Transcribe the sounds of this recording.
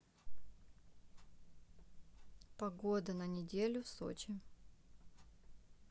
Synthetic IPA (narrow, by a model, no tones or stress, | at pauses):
pɐɡod̪ənənʲɪdʲelʲʊfso̰t͡ɕɪ